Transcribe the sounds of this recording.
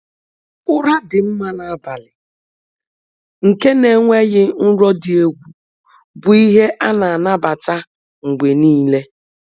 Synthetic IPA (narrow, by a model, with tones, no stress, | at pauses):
ʊ˦ɾa˦dɪ˨m̩˦ma˦na˨a˦ba˨lɪ˨ | ŋ̩˨ke˦ne˨ŋʷe˦ɣɪ˦n̩˦ɾɔ˦dɪ˨e˦ɡʷu˨ | bʊ˨i˦ɦe˦ʔa˦na˨a˨na˦ba˨ta˦ | ŋ̩˨ɡ͡be˨niː˦le˦